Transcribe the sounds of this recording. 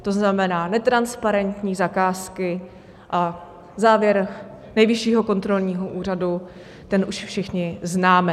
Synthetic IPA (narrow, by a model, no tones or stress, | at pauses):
t̪o̞znamɛnaːnɛt̪ɾanspaɾɛnt̪ɲiːzakaːskɪ | ʔa | zaːvjɛɾ | nɛjvɪʃiːɦo̞ko̞nt̪ɾo̞lɲiːɦoʔuːr̝adu | t̪ɛnʔuʃfʃɪxɲɪznaːmɛ